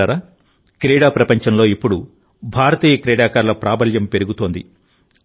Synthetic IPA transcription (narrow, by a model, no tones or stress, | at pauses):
aːɾa | kɾɛːɽaːpɾɐpɐɲt͡ʃɐmlo̞ːipːuɽu | bʱaːɾɐt̪iːjɐkɾɛːɽaːkaːɾlɐpɾaːbʱɐljɐmpe̞ɾuɡut̪o̞ːnd̪ḭ